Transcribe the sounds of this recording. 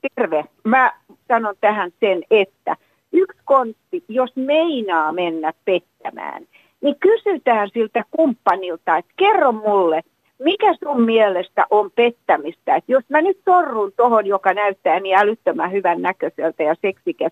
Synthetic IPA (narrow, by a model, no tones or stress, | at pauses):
t̪erʋemæ | sɑnont̪æhænsenet̪ːæ̰ | ykskont̪ːijosmeinɑːmenːæppet̪ːæmæ̰ːn | nikysyt̪æːnsilt̪ækumpːɑnilt̪ɑet̪kerːommulːe | mikæsummielest̪æ̰ʔompet̪ːæmist̪æet̪josmænyt̪sorːunt̪ohonjokɑnæyt̪ːæːniælyt̪ːømæhyʋænnækøselt̪æjɑseksikes